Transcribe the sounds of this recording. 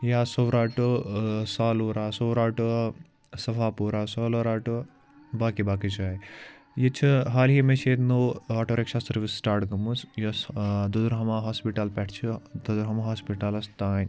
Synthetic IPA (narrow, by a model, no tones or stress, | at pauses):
jaːsowɾaːʈɨsaːluːɾaːsowɾaːʈɨ | sɐfʰaːpuːɾaːsoːloɾaːʈu | baːkibaːkit͡ʃʰaːi | jet͡ʃʰiɦaːlɦemet͡ʃʰeːd̪noːaʈʰoɾekʃaːsɐɾʋisːʈaːɾʈɡɐmusjɐsd̪uzɾɦɐmaːɦaːspiʈɐlpɛʈʰt͡ʃʰid̪ɐzɾɦɐmaɦaːspiʈɐlɐst̪aːn